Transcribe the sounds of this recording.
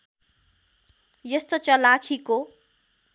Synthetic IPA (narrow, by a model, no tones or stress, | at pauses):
jʌst̪ot͡sʌlakʰiko